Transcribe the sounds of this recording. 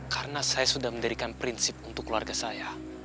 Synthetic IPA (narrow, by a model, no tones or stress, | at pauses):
kaɾənasajasudahməɲdəɾikanpɾinsɪp̚unt̪ʊkːluarɡasaja